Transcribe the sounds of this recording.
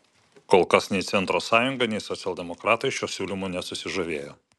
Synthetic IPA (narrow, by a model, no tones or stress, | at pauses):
koːlˠkɐsnʲɛɪt̪sʲɛnt̪ɾoːsɑːjʊŋɡɐnʲɛɪsɔt̪sʲɛlˠʲd̪ʲɛmɔkɾɑːt̪ɐɪʃʲuːsʲuːlʲɪmunʲɛsʊsʲɪʒoʋʲeːjoː